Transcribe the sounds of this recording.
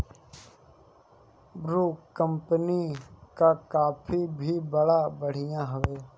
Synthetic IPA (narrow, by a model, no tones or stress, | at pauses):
bɾuːkə̃mpənikakaːpʰibʱibəɽabəɽ̤ɪjãɦəʋeː